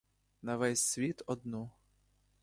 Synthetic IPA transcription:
nɐʋɛsʲsʲʋʲit̪ɔd̪nu

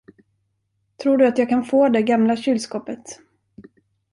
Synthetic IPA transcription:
t̪ʰɾuːɖɵat̪jɑːɡ̚kʰanfoːd̪ɛɡamlaɕʏlskɔːpət̪

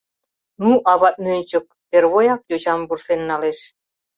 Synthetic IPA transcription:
nuʔɑβɑt̪̚nynʲt͡ɕə̆k̚perβojɑk̚jod͡ʑɑmbursenːɑleʃ

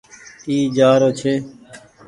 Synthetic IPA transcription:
iːd͡ʒaːɾoːt͡ʃʰeː

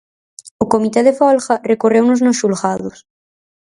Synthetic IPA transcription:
okomit̪eðefɔlxɐrekorewnoznoʃulɣaðos

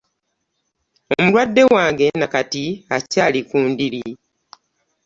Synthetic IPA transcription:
o̞mulwadːe̞waːŋɡe̞nakatiacaːlikuːndiɾi

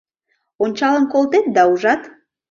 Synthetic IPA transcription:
onʲt͡ɕɑləmkolˠt̪et̪̚d̪ɑuʒɑt̪

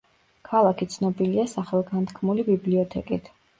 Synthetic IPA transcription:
kʰalˠakʰit̪sʰnɔbiliasaχɛlˠɡant̪ʰkʰmulibibliɔt̪ʰɛkʼit̪ʰ

